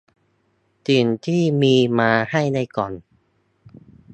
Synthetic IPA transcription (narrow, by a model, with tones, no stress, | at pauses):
t̪iː˨˩nt̪ʰiː˥˩miː˧maː˧ha˥˩jna˧jkɔː˨˩n